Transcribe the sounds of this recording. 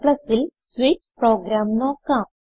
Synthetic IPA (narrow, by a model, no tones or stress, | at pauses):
ləsilsʋit͡ɕpɾɔɡɾamnɔkãm